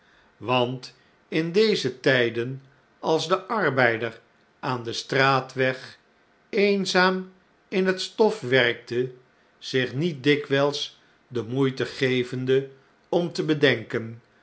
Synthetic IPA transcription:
ʋɑnt | ɪndejzətɛjdən | ɑlˠzdəʔɑɹbɛjdər | ʔaːndəstraːtʋɛχ | ejnzaːm | ɪnɦətstɔfʋɛrk̚tʰə | z̥ɪχnit̚dɪkʋɛlˠs | dəmujtəχejvəndə | ɔmtəbədɛŋkən

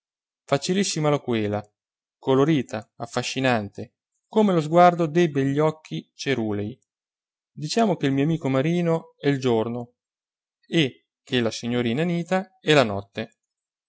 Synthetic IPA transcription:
fat͡ʃilisːimalakwɛːla | koloɾiːt̪aafːaʃːinant̪e | komelozɡward̪od̪ejbeʎːɔk̟ːit͡ʃeɾuːlej | d̪it͡ʃaːmokeilmioamiːkomaɾiːnoɛild͡ʒorno | e | kʰːelasiɲːoɾiːnaniːt̪aɛlanɔt̪ːe

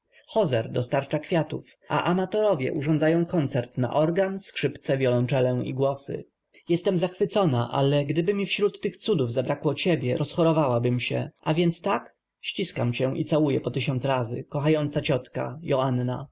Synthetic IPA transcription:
xɔzɛɾd̪ɔst̪aɾt͡ʂakfʲjat̪ufa̰ʔamat̪ɔɾɔvʲjɛ̰ʔuʐɔnd̪zajɔ̃w̃kɔnt̪sɛɾt̪na̰ʔɔɾɡanskʂɘpt̪sɛvʲjɔlɔnt͡ʂɛlɛḭɡwɔsɘ̰ | jɛst̪ɛmzaxfɘt̪sɔnaʔa̰lɛɡd̪ɘbɘmʲifɕɾut̪ːɘxt̪sud̪uvzabɾakwɔt͡ɕebʲjɛɾʔɔsxɔɾɔvawabɘmɕɛ̰ʔavʲjɛnt̪st̪ak | ɕt͡ɕiskamt͡ɕɛʔḭt̪sawujɛpɔt̪ɘɕɔnt̪sɾazɘ̰kɔxajɔnt̪sat͡ɕɔt̪ka̰jɔanːa̰

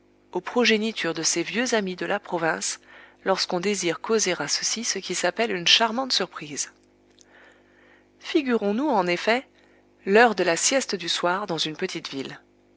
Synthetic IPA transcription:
opχɔʒenit̪ʰyʁd̪əsevjøzamid̪əlʔapχɔvɛ̃slɔʁskɔ̃d̪eziʁkozeʁasəsisəkʲisapɛlynʃaʁmɑ̃t̪syʁpχiz | fiɡʲyʁɔ̃nuɑ̃nefɛ | lœʁd̪əlasjɛst̪d̪yswaʁd̪ɑ̃zynpət̪ʰit̪vil

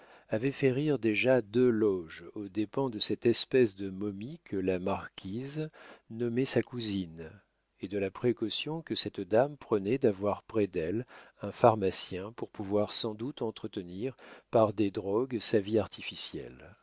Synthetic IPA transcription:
avɛfɛʁiʁd̪eʒad̪ølɔʒod̪epɑ̃d̪əsɛt̪ɛspɛsd̪əmɔmikʰəlamaʁkʲʰiznɔmɛsakuzin | ed̪əlapχekɔsjɔ̃kəsɛt̪d̪ampχənɛd̪avwaʁpχɛd̪ɛlɛ̃faʁmasjɛ̃puʁpuvwaʁsɑ̃d̪ut̪ɑ̃t̪χət̪əniʁpaʁd̪ed̪ʁɔɡsaviaʁt̪ʰifisjɛ̰l

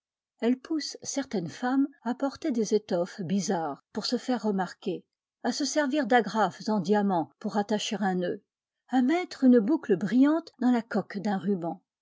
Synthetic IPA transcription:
ɛlpʰusːɛʁt̪ɛnfamapɔʁt̪ed̪ezet̪ɔfbizaːʁpuʁsəfɛʁːəmaʁkʲe | asəsɛʁviʁd̪aɡʁafzɑ̃d̪jamɑ̃puʁat̪aʃeʁɛ̃nø | amɛt̪χynbukləbʁijɑ̃t̪d̪ɑ̃lakɔkd̪ɛ̃ʁybɑ̃

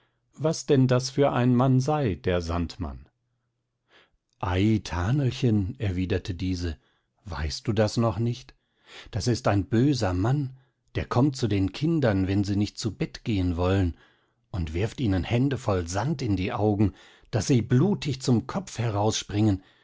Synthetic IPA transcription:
vasd̥ɛndasfyːɐʔaɪnmanzaɪd̥eːɐza̰ntma̰n | ʔaɪtʰaːnl̩çənɛɐviːdɐtʰədiːzə | va̰ɪst̚d̥uːdasnɔχnɪçt | d̥asɪstaɪnbøːzɐman | d̥eːɐkʰɔmtt͡sudeːnkʰɪndɐnvɛnziːnɪçt̚t͡subɛtɡ̥eːənvɔlən | ʔʊntv̥ɪɐftʔiːnənhɛndəfɔlzantɪndiːʔaʊɡŋ̩ | d̥asz̥iːbluːtʰɪçt͡sʊmkʰɔpp͡fhɛʁaʊsʃpʁ̥ɪŋən

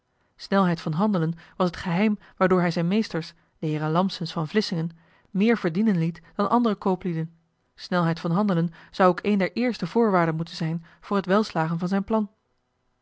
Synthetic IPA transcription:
snɛlˠɦɛjtfɑnɦɑndələnʋɑsɦətχəɦɛjm | ʋaːɹdʊːɹɦɛjzɛjnmejstəɹs | d̥əɦɪːrənlɑmsənsfɑnvlɪsɪŋən | mɪːɹvəɹdinənlitd̥ɑnʔɑ̰ndərəkowplidən | snɛlˠɦɛjtfɑnɦɑndələnz̥ɑwokejndɛɹʔɪːɹstəvʊːɹʋaːɹdənmutənzɛjn | v̥ʊːɹɦətʋɛlˠslaːχənvɑnzɛjnplɑn

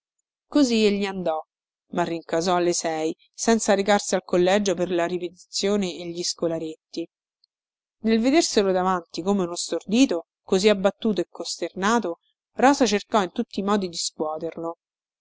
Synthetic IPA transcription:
kozieʎːiand̪ɔ | marːiŋkazɔalːesɛj | sɛnt̪saɾekarsialkolːɛd͡ʒoperlaɾipet̪i̥t̪sːjoːneːʎːiskolaɾet̪ːi | nelved̪erselod̪avant̪ikomeunost̪ord̪iːt̪o | koziabːat̪ːuːt̪oekːost̪ernaːt̪o | rɔːzat͡ʃerkɔint̪ut̪ːiːmɔːd̪id̪iskwɔːt̪erlo

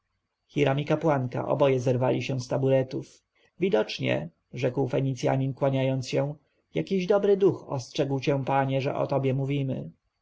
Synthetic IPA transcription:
xʲiɾamʲikapwanka̰ʔɔ̰bɔjɛzɛɾvalʲiɕɛw̃st̪abuɾɛt̪uf | vʲid̪ɔt͡ʂɲɛ̰ | ʐɛkwfɛɲit̪sʲja̰ɲinkwaɲajɔnt̪sɕɛ̃ | jakʲiʑd̪ɔbɾɘd̪uxɔ̰stʂɛɡwt͡ɕɛ̃paɲɛʐɛ̰ʔɔ̰t̪ɔbʲjɛmuvʲimɘ̰

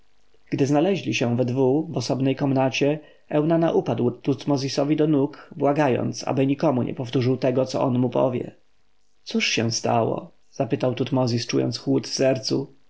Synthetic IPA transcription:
ɡ̥d̪ɘznalɛʑlʲiɕɛ̃vɛd̪vuvɔsɔbnɛjkɔmnat͡ɕɛ | ɛwnanaʔupad̪wt̪ut̪mɔzʲisɔvʲid̪ɔnukbwaɡajɔ̰nt̪sa̰bɘɲikɔmuɲʔɛ̰pɔft̪uʐɘwt̪ɛɡɔt̪sɔ̰ʔɔnmupɔ̰vʲjɛ̰ | t̪suʂɕɛ̃st̪a̰wɔ̰ | z̥apɘt̪awt̪ut̪mɔzʲist͡ʂujɔ̰nt̪sxwut̪fsɛɾt̪su

